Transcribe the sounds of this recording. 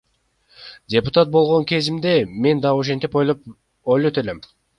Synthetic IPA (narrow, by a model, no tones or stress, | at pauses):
dʲe̞pʊt̪at̪̚bo̞lˠʁoŋkʲe̞zimd̪e̞me̞nd̪ɑoʃ̬e̞nt̪ip | ojlˠot̪øle̞m